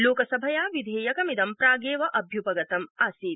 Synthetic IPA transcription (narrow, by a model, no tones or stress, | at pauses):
loːkɐsɐbʱɐjaːʋid̪ʱeːjɐkɐmid̪ɐmpɾaːɡeːʋɐʔɐbʱjupɐɡɐt̪ɐmaːsiː